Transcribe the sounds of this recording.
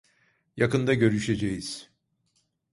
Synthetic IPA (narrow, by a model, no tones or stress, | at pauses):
jakɯnd̪aɟø̞ɾyʃe̞d͡ʒejiz̥